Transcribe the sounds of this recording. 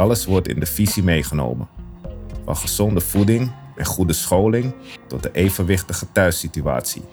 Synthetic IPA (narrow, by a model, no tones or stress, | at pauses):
ɑləsʋɔɹtɪ̰ndəfizimejχəno̰wmə̰n | fɑ̰nχəz̥ɔndəv̥udɪŋ | ɛnχudəsχowlɪŋtɔt̚dəʔejvənʋɪχtəχətœɥsitya̰ːtsḭ